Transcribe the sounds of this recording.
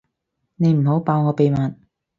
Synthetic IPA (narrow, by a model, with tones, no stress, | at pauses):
ne˨˧jm̩˨˩ɦo˨˥wpaː˧wŋɔː˨˧pe˨jmaː˨n